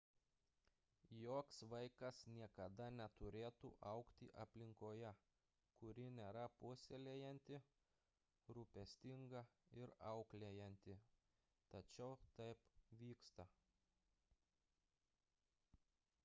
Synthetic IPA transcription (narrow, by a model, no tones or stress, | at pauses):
joːksʋɐɪkɐsnʲiɛkɐd̪ɐnʲɛt̪ʊɾʲeːt̪ṵːʔɐʊkt̪ʲɪʔɐpʲlʲɪŋkoːjɛ | kʊɾʲɪnʲeːɾɐpʊsʲelʲeːjɛnʲt̪ʲɪ | ɾupʲɛsʲt̪ʲɪŋɡɐɪɾɐʊklʲeːjɛnʲt̪ʲɪ | t̪ɐt͡ʃʲɛʊt̪ɐɪpʋʲiːkst̪ɐ